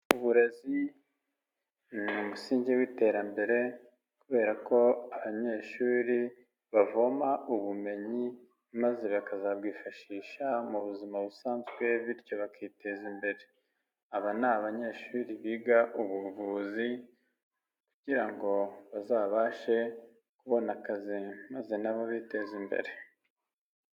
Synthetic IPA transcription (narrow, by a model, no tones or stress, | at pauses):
uβuɾe̞zi | numusiːɲɟewiːte̞ɾambe̞ɾe̞ | kuβe̞ːɾako̞aβaɲe̞ʃuːɾi | βavo̞maʔuβume̞ɲi | maze̞βakazabɡwiːfaʃiːʃamuβuzimaβusaːnzɡwe̞βiɾjo̞βakiːte̞zimbe̞ɾe̞ | aβanaβaɲe̞ːʃuːɾiβiːɡaʔuβuvuːzi | kuɟiɾaŋɡo̞βazaːβaʃe̞ | kuβo̞nakazimaze̞naβoβiːte̞zimbe̞̰ɾe̞